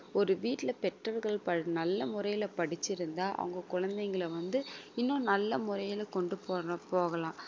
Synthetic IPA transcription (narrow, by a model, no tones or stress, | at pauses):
ɔɾɯʋiːʈːɪlɐpɛʈrɐɾɣɐɭpɐnɐlːɐmʊɾɐjɪlɐpɐɽɪt͡ʃːɪɾɯnd̪aːʔɐ̰ʋɐŋɡɐkʊɻɐnd̪ɛŋɡɐɭɐʋɐnd̪ɯɪnːõːnɐlːɐmʊɾɐjɪlɐkɔɳɖɯpoːɐpoːɣɐlãː